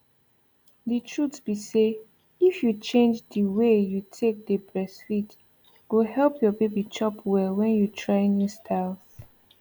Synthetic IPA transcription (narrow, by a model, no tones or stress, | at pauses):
dətʰɹutsb̥ise | ifjut͡ʃẽnd͡ʒdəwejutʰek̚dəbɹɛsfit | ɡohɛlpʰjɔbebit͡ʃɔpʰwɛlwɛ̃njutʰɹaɪnustʰaf